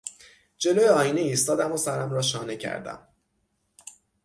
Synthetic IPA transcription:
d͡ʒe̞lojeɒːjiːneiːst̪ɒːd̪æmosæɾæmɾɒːʃɒːne̞cʰæ̰ɾd̪æ̰m

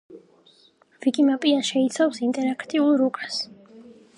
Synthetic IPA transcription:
vikʼimapʼiaʃɛit̪sʰafsint̪ʼɛɾakʰt̪ʼiulˠɾukʼas

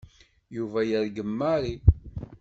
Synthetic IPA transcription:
juvæjəɾɡəmːaɾi

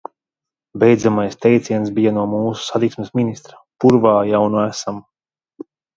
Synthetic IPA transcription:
bʲɛjd̪zamajst̪ɛjt̪siɛnsbijanuɔmuːsu̥sat̪iksmesminist̪ɾḁpuɾvaːjawnuæsam

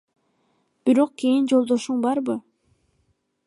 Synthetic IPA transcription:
b̥iɾo̞q̚kʲijind͡ʒo̞lˠd̪o̞ʃuɴbɑɾbɯ

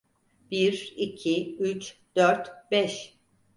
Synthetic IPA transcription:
b̥iɾicʰiyt͡ʃd̪̥øɾt̪bɛʃ

